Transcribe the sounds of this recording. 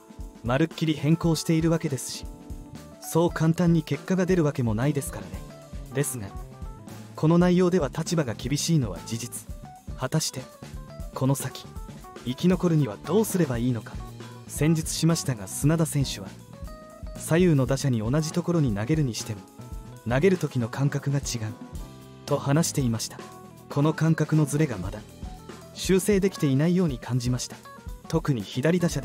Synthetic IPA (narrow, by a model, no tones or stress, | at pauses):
maɾɯ̟kʲːiɾʲihẽ̞ŋko̞ːɕi̥t̪e̞iɾɯ̟βake̞d̪e̞sɨ̥ɕi̥ | so̞ːkʰãnt̪ãɲ̟ːike̞kːaɡad̪e̞ɾɯ̟βake̞mo̞naid̪e̞sɨ̥kaɾane̞ | d̪e̞sɨɡa | kʰo̞no̞naijo̞ːd̪e̞βat̪at͡ɕibaɡakʲibʲiɕiːno̞β̞a̰d͡ʑid͡ʑit͡sɨ̥ | hat̪aɕi̥t̪e̞kʰo̞no̞sakʲi̥ | ikʲino̞ko̞ɾɯ̟ɲ̟iβad̪̥o̞ːsɨɾe̞baiːno̞kḁ | sẽ̞ɲ̟d͡ʑit͡sɨ̥ɕimaɕi̥t̪aɡasɨnad̪asẽ̞ɰ̃ɕɨβa | sajɯːno̞d̪aɕaɲ̟io̞naʑit̪o̞ko̞ɾo̞ɲ̟inaɡe̞ɾɯ̟ɲ̟iɕi̥t̪e̞mo̞ | naɡe̞ɾɯ̟t̪o̞kʲino̞kʰãŋkakɯ̟ɡat͡ɕiɡaɯ̟ | t̪o̞hanaɕi̥t̪e̞imaɕi̥t̪ḁ | kʰo̞no̞kãŋkakɯ̟no̞zɨɾe̞ɡamad̪a | ɕɨːse̞ːd̪e̞kʲi̥t̪e̞inaijo̞ːɲ̟ikʰãɲ̟d͡ʑimaɕi̥t̪ḁ | t̪o̞kɯ̟ɲ̟içid̪aɾʲid̪aɕad̪